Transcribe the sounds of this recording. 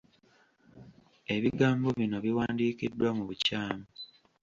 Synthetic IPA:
e̞βiɡaːmbo̞βino̞βiwaːndiːkidːwamuβucaːmo

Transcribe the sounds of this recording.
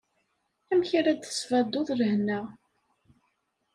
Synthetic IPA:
æmçaɾæd̪θə̥svæd̪ːʊðˤɾəhnəʁ

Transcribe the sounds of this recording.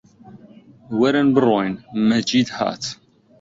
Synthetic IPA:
wæɾænbərˤːojnmːæd͡ʒid̪hæ̰t̪

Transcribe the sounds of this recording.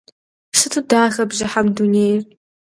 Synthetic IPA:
sɨtʰudaːxɐbʑɪħamduneːjr

